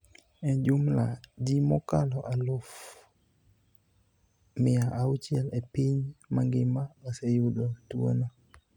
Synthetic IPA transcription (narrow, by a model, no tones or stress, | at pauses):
ɛd͡ʒʊmla̰d͡ʒimɔkalɔʔalʊf | mɪaʔawt͡ʃjɛlɛpiɲmaŋɡɪmaasɛjʊdotuo̰na